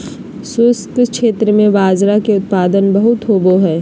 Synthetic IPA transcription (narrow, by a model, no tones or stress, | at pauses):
sʊskkʃeːt̪ɾəmẽʋaːzɾakeʊt̪̚paːd̪ənbɐɦʊt̪ɦoːboɦɛː